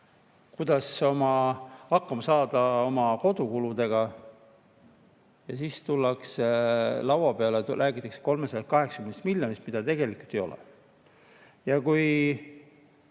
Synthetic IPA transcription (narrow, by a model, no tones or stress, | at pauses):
kud̪̥ɑso̞mɑhɑkːɑmɑsɑːd̪̥ɑo̞mɑko̞d̪̥ukulud̪e̞ɡ̥ɑ | jɑsiːst̪ulːɑkslɑwɑpe̞ɑlelʔæːɡit̪ːˑekse̥ko̞lmesɑj̪ɑkɑɦe̞ksɑ̥kymnst̪milʲjo̞nist̪mid̪ɑt̪e̞ɡ̥e̞likˑult̪ːˑe̞jo̞̰lɛ̰ | jɑkuj